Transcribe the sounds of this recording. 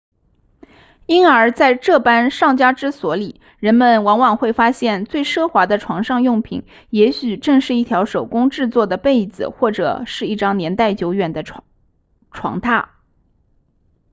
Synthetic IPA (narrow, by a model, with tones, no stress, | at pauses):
i˥nə˞˧˥t͡sa˥˧ɪʈ͡ʂɤ˥˩pa˥nʂɑ˥˩ŋt͡ɕja˥ʈ͡ʂɻ̩˥swɔ˧˥li˨˩ | ɻə˧˥nmə˨nwɑ˧˥nwɑ˨˩ŋxwe˥˩ɪfa˥ɕjɛ˥˧nt͡swe˥˧ɪʂɤ˥˩xwa˧˥d̪ə˧ʈ͡ʂʰwɑ˧˥ŋʂɑ˥˧ŋjʊ˥˩ŋpʰḭ˨˩˦ŋ | jɛ˧˥ɕy˨˩ʈ͡ʂɤ˥˧ŋʂɻ̩˥˧i˥˩t̪ʰjɑ˧˥ʊʂo˨˩ʊkʊ˥ŋʈ͡ʂɻ̩˥˧t͡swɔ˥˩d̪ə˩pe˥˩ɪd͡zɹ̩˨˩xwɔ˥˩ʈ͡ʂɤ̰˨˩ʂɻ̩˥˧i˥˩ʈ͡ʂɑ˥ŋnjɛ˧˥nt̪a˥˩ɪt͡ɕjo˧˥ʊɥɛ˨˩nd̪ə˦ | ʈ͡ʂʰwɑ̰˧˥ŋt̪ʰa˥˩